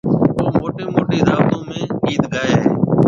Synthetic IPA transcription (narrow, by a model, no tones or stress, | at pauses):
oːmoːʈẽːmoːʈiːɾaːbt̪õːmẽːiːd̪ɡaːeːɦeː